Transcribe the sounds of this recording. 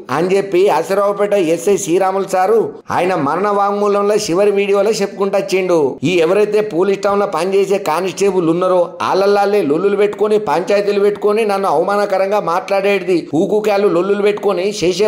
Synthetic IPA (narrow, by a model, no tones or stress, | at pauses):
ɐnd͡ʒepːiɐsɐɾɔːʋɐpɛʈːɐesesiːɾaːmulsaːɾu | a̰ːjɐnɐmɐɾɐɳɐʋaːŋmuːlɐmloːʃiʋɐɾiʋiːɽijoːlɐːt͡ʃepːu̥kuɳʈɐt͡ʃːiɳɖuiːɛʋɐɾɐjt̪eːpoːlisʈɐwnloːpɐɲt͡ʃe̞ːse̞ːkaːnisʈeːbulunːɐɾoːa̰ːlːɐlːaːlːeːlolːulupe̞ʈːu̥konipɐɲt͡ʃaːjt̪ulupeʈːu̥koninɐnːuɐʋmaːnɐkɐɾɐŋɡaːmaːʈlaːɽeːɽid̪iuːkuːkaːlːulolːulupe̞ʈːu̥koniʃeːʃ̬ɐ